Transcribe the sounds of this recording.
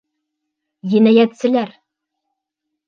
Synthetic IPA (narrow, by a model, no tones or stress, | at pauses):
jɘ̆næjæt̪sɘ̆læɾ